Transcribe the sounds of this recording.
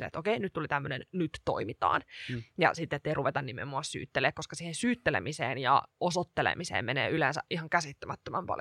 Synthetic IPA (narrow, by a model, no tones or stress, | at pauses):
lḛḛt̪okeinyt̪t̪ːulit̪æmːønennyt̪to̰imit̪ɑ̰ːnjɑ̰sit̪ːet̪ːeiruʋet̪ɑnnimḛmːoɑssy̰ːt̪ːeleːkkoskɑsiːhensyːt̪ːelḛmisḛːnjɑ̰osot̪ːelḛmisḛːmmenḛːylensæ̰ʔihɑŋkæsit̪ːømɑt̪ːømɑmpɑ̰l